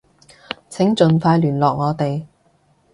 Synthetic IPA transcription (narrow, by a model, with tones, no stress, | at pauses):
t͡sʰɪ˨˥ŋt͡ʃɵ˨nfaː˧jlyː˨˩nlɔː˨k̚ŋɔː˨˧t̪e˨j